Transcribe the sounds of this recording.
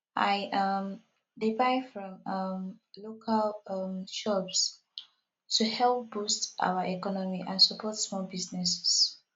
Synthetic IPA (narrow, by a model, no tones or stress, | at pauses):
ʔajʔʌm | dipaɪfɹɔ̃mʌmlokʰalʌmʃɔps | tʰuhɛlp̚b̥ustʔa̰wəʔɛkɔnɔmiʔãnsəpʰɔtsmɔlbiznɛsɛ̥s